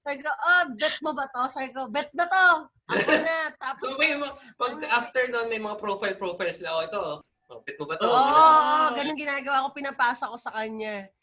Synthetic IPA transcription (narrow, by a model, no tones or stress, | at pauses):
saːbɪkoʔobɛt̪̚mobɐt̪osaːbɪkobɛt̪̚bɐt̪o | ɐnat̪aːpsomɐjmpɐɡ̚ʔaːft̪ɛɹnoʔonmɐjmɐŋapɾofɐjlpɾofɐjlslɐkoɪt̪o̞ | ʔobɛt̪̚mobɐt̪ooːʔoʔoɡɐnoŋɡɪnaːɡɐwaːko̞pɪnɐpaːsɐko̞sɐkɐɲa